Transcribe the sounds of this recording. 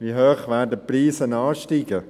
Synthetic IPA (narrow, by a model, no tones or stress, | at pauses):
ʋiɦøːχʋæːdəpriːsənɑːʃtiːɡə